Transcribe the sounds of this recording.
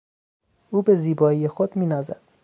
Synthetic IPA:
uːbeziːbɒːijexod̪miːnɒːzæ̰d̪̥

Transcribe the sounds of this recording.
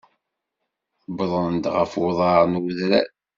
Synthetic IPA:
bðˤənd̪ʁəfwʊðˤɑɾnwuðɾæ

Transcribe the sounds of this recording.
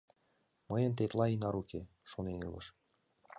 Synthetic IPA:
məjə̆nt̪et̪lɑinɑɾukʰe | ʃonenɯ̰lˠə̰̆ʃ

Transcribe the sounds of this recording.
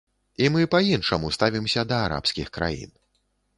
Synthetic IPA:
imɨpainʂɐmust̪avʲimsʲɐd̪ɐːɾa̰pskʲixkɾa̰jḭn

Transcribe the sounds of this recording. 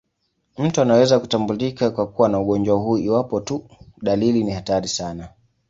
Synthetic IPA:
m̩tuanawɛzaku̥tambulikakwakuwanauɠɔnd͡ʒwaɦuːiwapɔtuɗalilinihataɾisana

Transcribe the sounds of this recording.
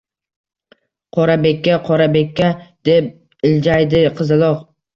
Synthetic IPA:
qʰɒɾabe̞kʲːaqʰɒɾabe̞kʲːad̪̥e̞p̚ | ɪld͡ʒajd̪ɪqʰɨzɪlˠɒq

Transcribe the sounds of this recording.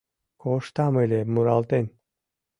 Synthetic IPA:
kʰoʃt̪amelʲemuɾalˠt̪enʲ

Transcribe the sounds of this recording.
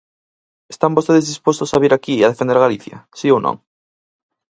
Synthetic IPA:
est̪ambost̪eðezðispost̪ʊsaβiɾakieaðefend̪eɾɣaliθjɐ̰siownõ̰ŋ

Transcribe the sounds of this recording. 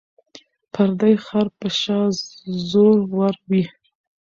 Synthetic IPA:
pʰaɾd̪ajxɑɾpəʃɑzoɾwaɾwi

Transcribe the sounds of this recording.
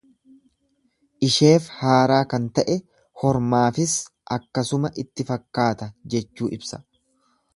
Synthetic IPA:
ʔɪʃe̞ːfhaːɾaːkɐnt̪ɐʔɛ | hɔɾmaːfɪs | ʔɐkːɐsʊmɐʔɪt̪ːɪfɐkːaːt̪ɐd͡ʒɛt͡ʃːuːʔɪbsɐ̥

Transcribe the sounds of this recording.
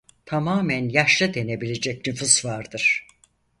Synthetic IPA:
t̪ʰamaːmænjaʃlˠɯd̪e̞ne̞bilʲe̞d͡ʒɛcnyfuzvaɾd̪ɯɾ̥

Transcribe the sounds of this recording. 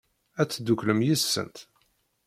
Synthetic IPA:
æt͡sːd̪ukləmjisːə̰nt̪

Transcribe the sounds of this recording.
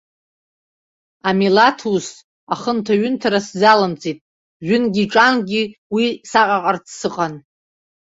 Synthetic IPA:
amilatʰus | aχəntʰaɥʏntʰaɾaszalamt͡sʰʼitʼ | ʒʷᶣʏnɡʲiʈ͡ʂʼanɡʲiwisaqʼaqʼart͡sʰsɨqʼan

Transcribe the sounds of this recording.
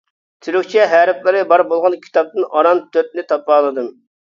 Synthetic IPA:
t̪ʰyɾykʲt͡ʃʰɛɦæɾɪplˠɨɾɨbɑɾbolˠʁɑnkʲʰi̥t̪ɑp̚t̪ɨnɑɾɑnt̪ʰøp̪̚nɪt̪ʰɑpːɑːlˠɨd̪ɨm

